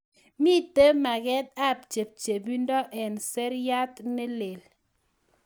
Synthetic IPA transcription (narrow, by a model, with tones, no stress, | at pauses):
mi˦te˦ma˨ɡɛ˦t̚a˦˨p̚t͡ʃe˨p̚t͡ʃe˨bi˦ndɔ˦ʔɛ˨nse˦ɾja˦tne˦le˨l